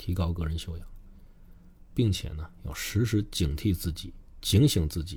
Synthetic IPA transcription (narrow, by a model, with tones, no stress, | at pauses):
t̪ʰi˧˥kɑ˥ʊkɤ˥˧ɻə˧˥nɕjo˥˧ʊjɑ˨˩˦ | pi˥˩ŋt͡ɕʰjɛ̰˨˩nə˦jɑ˥˩ʊʂɻ̩˧˥ʂɻ̩˧˥t͡ɕi˨˩ŋt̪ʰi˥˧t͡sɹ̩˥˩t͡ɕi˨˩˦t͡ɕi˧˥ŋɕi˨˩ŋt͡sɹ̩˥˩t͡ɕi˨˩˦